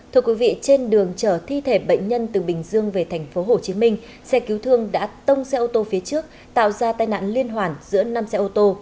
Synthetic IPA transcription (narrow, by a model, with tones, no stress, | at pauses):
t̪ʰɨ˧əkwi˨˦vḭ˧˨t͡ɕe˧nɗɨ˨˩əŋt͡ɕəː˧˩t̪ʰi˧t̪ʰe˧˩ɓə̰˧˨jŋ̟ɲə˧nt̪ɨ˨˩ɓï˨˩ŋ̟zɨ˧əŋve˨˩t̪ʰɛ˨˩jŋ̟fo˨˦ɦo˧˩t͡ɕi˨˦mï˧ŋ̟ | sɛ˧ki˨˦wt̪ʰɨ˧əŋɗa̰ː˧˥t̪ə˧wŋ͡msɛ˧ʔo˧t̪o˧fi˨˦ət͡ɕɨ˦˥ək̚ | t̪a̰ː˧˨wzaː˧t̪aː˧jna̰ː˧˨nli˧ənɦwaː˨˩nzɨ̰˧˥əna˧msɛ˧ʔo˧t̪o˧